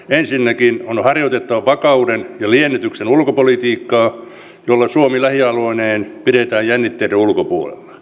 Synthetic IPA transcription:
ensinːækinonhɑrjot̪et̪ːɑʋɑʋɑkɑudenjɑlienːit̪yksenulkopolit̪iːkːɑː | jolːɑsuomilæhiɑloineːnpiɾet̪æːjjænːit̪ːeiɾeulkopuolḛlːɑ̥

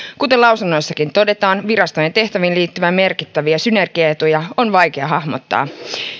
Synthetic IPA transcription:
kut̪elɑwsunːo̞jsːɑkint̪o̞de̞t̪ɑːnʋiɾɑst̪ojent̪e̞ht̪æʋinliːt̪ːyʋæme̞rkit̪ːæʋiæsyne̞rɡ̥iɑe̞t̪ujɑonʋɑjk̟eɑɦɑhmot̪ːɑ̰ː

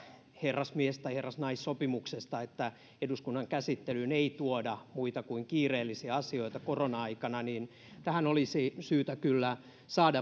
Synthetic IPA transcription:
herːɑsmiest̪ɑiherːɑsnɑissopimuksest̪ɑet̪ːæ | eduskunːɑŋkæsit̪ːelyneit̪uodɑmuit̪ɑkuiŋkiːreːlːisiɑɑsioit̪ɑkoronɑɑikɑnɑniːn | t̪æhænolisisyːt̪ækylːæ | sɑːdɑ

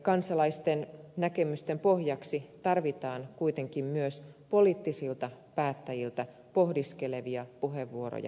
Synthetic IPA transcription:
kɑnsɑlɑist̪ennækemyst̪empo̞hjɑksit̪ɑrʋit̪ɑːnkuit̪eŋkimmyøspo̞liːt̪ːisilt̪ɑpæːt̪ːæjilt̪æ | po̞hdiskeleʋiɑpuɦeʋːuoɾo̰jɑ̰

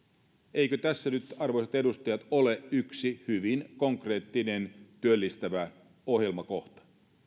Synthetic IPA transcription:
eikøt̪æsːænyt̪ɑrʋo̞jset̪e̞dust̪ɑjɑt̪oleʔyksihyʋinkoŋkre̞ːt̪ːine̞nt̪yølːist̪æʋæ | ohjelmɑko̞ht̪ɑ̥

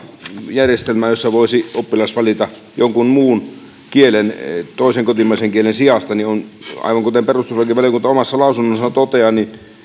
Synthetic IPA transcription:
jærjest̪elmæjosːɑʋoˑisiopːilɑsʋɑlit̪ɑ | joŋkunmuːn | kielent̪oˑiseŋkot̪imˑɑˑiseŋkielensiɑst̪ɑnionɑ̰ˑiʋɑŋkot̪emperust̪usʋɑlkiʋɑlijoŋkunt̪omɑsːɑlɑˑusunːosːɑt̪ot̪eɑnin

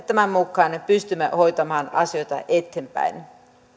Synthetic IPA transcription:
t̪æmæmːukːˑɑːnpyst̪ymːæho̞jt̪ɑmɑːnɑsijo̞jt̪ɑ̰ʔet̪ːempæ̰in

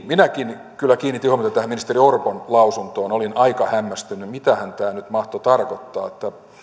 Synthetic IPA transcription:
minækin | kylːækiːnit̪ːihuomet̪ɑt̪æhæminist̪eriorponlɑusunt̪oːnolinɑikɑhæmːæst̪ynymit̪æhænt̪æːnyt̪mɑht̪ot̪ɑrkot̪ːɑ̰ːet̪ːæ

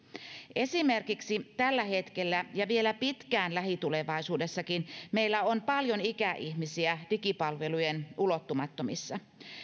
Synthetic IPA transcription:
ʔe̞simerkiksit̪ælːæhe̞t̪kelːæjɑʋielæpit̪kæːnlæhit̪ule̞ʋɑisuːdesːɑkinmeijlːæonpɑljo̞nikæʔihmisiæd̥ikipɑlʋe̞lujenulot̪ːumɑt̪ːomisːɑ

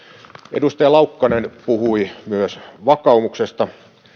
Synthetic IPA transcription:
ʔedust̪ɑjɑlɑukːɑnenpuhuimyøsʋɑkɑumuksest̪ɑ

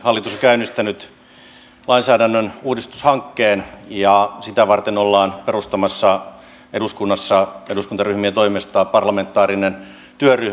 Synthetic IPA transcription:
hɑlːit̪usokæynːˑist̪ænyt̪ | lɑinsæːdænːønuːdist̪u̥shɑŋkːeːnjɑsit̪æʋɑrt̪enolːɑːnperust̪ɑmɑsːɑ | eduskunːɑsːɑeduskunt̪ɑryhmiæt̪oimest̪ɑːpɑrlɑment̪ːˑɑːrinen | t̪yøryh

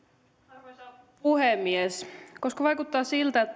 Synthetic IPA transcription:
puhemːiesko̞skɑʋɑjkut̪ːɑːsilt̪æet̪ː

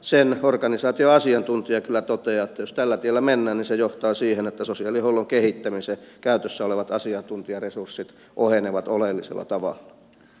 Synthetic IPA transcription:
senorkɑnisɑːt̪ioɑsiɑnt̪unt̪iɑkylːˑæt̪ot̪eɑːet̪ːæjost̪ælːæt̪ielːæmenːæːnnisejoht̪ɑːsiːhenet̪ːæsosiɑlːihoulːoŋkehit̪ːæmisekæyt̪øsːæoleʋɑt̪ɑsiɑnt̪unt̪iɑresursːit̪ | ʔoheneʋɑt̪olelːisḛlːɑ̰t̪ɑʋɑ̰lːɑ̥

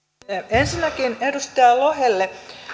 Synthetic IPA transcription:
ensinːækinedust̪ɑːloɦelːe

